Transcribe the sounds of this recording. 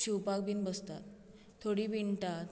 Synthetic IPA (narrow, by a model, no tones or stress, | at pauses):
ɕuwpak̚biːnbəst̪a̰t̪ʰː | oɽiːbiɳʈa